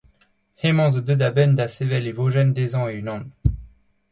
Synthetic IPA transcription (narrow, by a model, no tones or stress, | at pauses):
hemɑ̃zəd̪əd̪abɛnd̪asevɛlivoʒɛnd̪ezɑ̃eynɑ̃d̪